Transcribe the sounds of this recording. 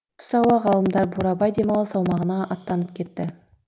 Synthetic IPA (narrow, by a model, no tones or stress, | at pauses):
t̪ʰʊ̥sɑwɑʁɑlˠəmd̪ɑɾbuɾɑbɑjd̪e̞mɑlˠəsɑwmɑʁənɑʔɑt̪ːɑnəp̚kʲʰe̞t̪ːɪ